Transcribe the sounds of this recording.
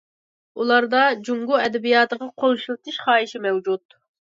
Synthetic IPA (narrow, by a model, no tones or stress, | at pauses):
ulˠɑɾd̪ɑd͡ʒuŋɡuɛd̪ɛbijɑːt̪əʁɑqʰoŋʃulˠɨt̪ʰɨʃχɑːiʃimɛwd͡ʒut̪̚